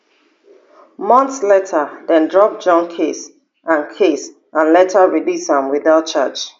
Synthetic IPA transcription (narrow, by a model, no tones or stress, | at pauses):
mɔ̃nθslɛtʰədɛ̃ndɹɔp̚d͡ʒɔ̃nkʰes | ʔãnkʰes | ʔãnlɛtʰəɹilisãmwiðaʊt̚t͡ʃat͡ʃ